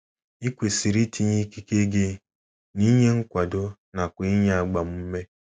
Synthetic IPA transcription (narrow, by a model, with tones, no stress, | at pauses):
i˦kʷe˨si˨ɾi˦ti˨ɲi˦ki˦ke˦ɡe˦ | ni˦ɲe˦ŋ̩˦kʷa˨do˦na˨kʷʊ˨i˦ɲ˦a˨ɡ͡ba˨m̩˦m̩˦me˦